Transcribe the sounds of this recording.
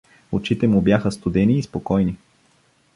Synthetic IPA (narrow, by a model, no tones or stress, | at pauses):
ot͡ʃit̪ɛmubjaxəst̪ud̪ɛniːspokɔjni